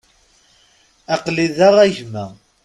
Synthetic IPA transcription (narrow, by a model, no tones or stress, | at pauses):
ɑqliðaʁæʝmæ